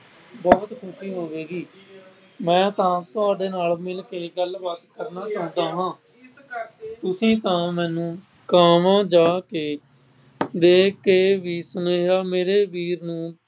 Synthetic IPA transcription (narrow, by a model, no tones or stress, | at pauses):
bɔːt̪kʰʊʃiːɦoːʋeːɡiː | mɛ̃ːt̪ãːt̪ʊaːɖeːnaːlmɪlkeːɡəlbaːt̪kəɾnaːt͡ʃãːnd̪aːɦãː | t̪ʊsĩːt̪ãːmɛ̃ːnũː | kaːmãːd͡ʒaːkeː | d̪eːkeːʋiːsʊneːɡaːmeːɾeːʋiːɾnũː